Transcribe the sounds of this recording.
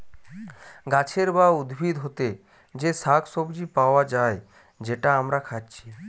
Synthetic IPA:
ɡat͡ʃʰeɾbaud̪bʱid̪ʱɦot̪e | d͡ʑesakʰsobd͡ʑipaad͡ʒae | d͡ʑeʈaamɾakʰad͡ʒt͡ɕʰi̥

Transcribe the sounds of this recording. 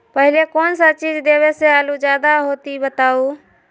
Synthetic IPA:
pəɦɪlekoːnsat͡ʃiːd͡ʒd̪eːʋeːseaːluːd͡ʒjaːd̪aɦoːt̪ibət̪aːuː

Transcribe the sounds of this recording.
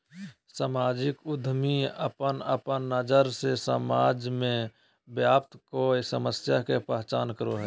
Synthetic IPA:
samaːd͡ʒɪkʊd̪ʱmiəpənəpənːəd͡ʒəɾsesəmaːd͡ʒmẽ | bjaːpt̪koesəməsjakepəɦt͡ʃaːnkəɾoɦɛː

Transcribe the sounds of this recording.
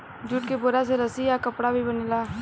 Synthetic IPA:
d͡ʒuːʈ̚keboːɾaseɾəsijakəpɽabʱibəneːlaː

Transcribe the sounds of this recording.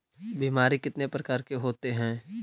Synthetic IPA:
biːmaːɾikɪt̪nepɾɐkaːɾkeɦoːt̪eɦɛ̃ː

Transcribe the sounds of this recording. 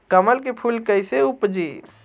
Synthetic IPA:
kəməlkepʰulkəjseupd͡ʒi

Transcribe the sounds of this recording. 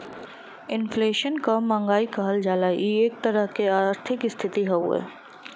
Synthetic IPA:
ɪnfleːʃənkamãːŋɡaːikaɦɐld͡ʒaːlajeeːk̚t̪ɐɾəɦkeaːɾt̪ʰɪkɪst̪ʰɪt̪iɦɛṵɛ̰ː

